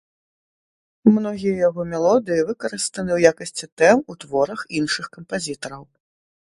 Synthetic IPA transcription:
mnɔɣʲijɐjaɣɔmʲɛlˠɔd̪ɨjivɨkɐɾɨst̪ɐnɨwjakɐsʲt͡sʲit̪ɛmut̪vɔɾɐxinʂɨxkɐmpazʲit̪ɐɾɐw

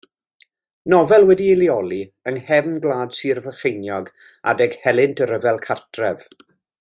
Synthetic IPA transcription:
nɔvɛlˠwɛdiɪliɔlˠiəŋhɛvnɡlˠaːd̥siːrvəχejnjɔɡ | a̰dɛɡ̥hɛlˠɪntʰəɾəvɛlˠkʰartʰrɛv̥

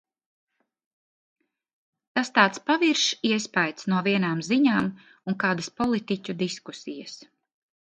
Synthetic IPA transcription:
t̪ast̪aːt̪spaviɾʃiɛspajt̪snuɔviɛnaːmziɲaːm | uŋkaːd̪aspɔlˠit̪icʲud̪iskusijɐ̰s

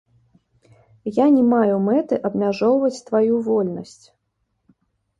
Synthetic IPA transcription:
janʲɛmajumɛt̪ɨʔɐbmʲaʐɔwvɐt͡sʲt̪vajuvɔlʲnɐsʲt͡sʲ

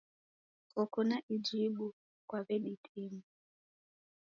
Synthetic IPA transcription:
ɔkunaʔid͡ʒiɓu | kwaβɛɗitʰimu

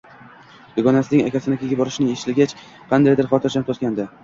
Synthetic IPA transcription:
d̪ɪɡɒnasɪnɪŋakʲasɪnɪkʲaɡʲabɒɾɪʃnɪeʃlɪɡʲat͡ʃ | qʰɑnd̪ajd̪ɪɾχɒt̪ʰɪɾd͡ʒʰant̪ʰt̪̚kʲand̪ɪ

